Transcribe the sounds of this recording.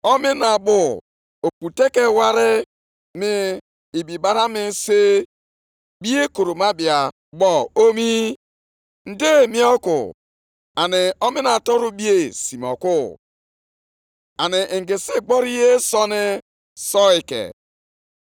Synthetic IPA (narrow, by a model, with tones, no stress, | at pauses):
ɔ˦mɪ˦na˨bʊ˦˨ | o˨k͡pu˨te˦ke˦wa˦ɾɪ˦ | mɪ˦ | i˨bi˨ba˦ɾa˦mɪ˦se˦ | bi˦e˦ko˨ɾo˨ma˦bi˨a˨ | bɔ˦o˦mi˦ | n̩˦de˦˨mi˦ɔ˦kʊ̰˨ | a˨nɪ˨ɔ˦mɪ˦na˨tɔ˦ɾu˦bi˦e˦si˨m˨ɔ̰˨kʊ˦ | a˨nɪ˨ʔɡe˨se˦ɡ͡bɔ˦ɾi˦je˦sɔ˦nɪ˦ | sɔ˦ɪ˨kḛ˨